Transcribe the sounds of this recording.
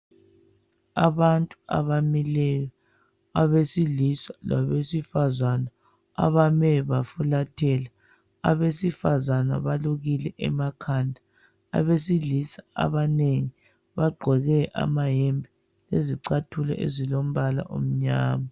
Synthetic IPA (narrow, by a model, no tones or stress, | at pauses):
a̰βantʼua̰βamilɛjɔ | aβesilisala̰βesifazana | a̰βamɛβafulatʰɛla | a̰βesifazana̰βaluɣilɛʔɛmakʰandʱa | a̰βesiɮisaa̰βaneŋi | βaɡ͡ǃʱwɛɣɛʔa̰maɦɛmbʱi | leziǀatʰulɛ̰ʔḛzilom̩βala̰ʔo̰m̩ɲaːma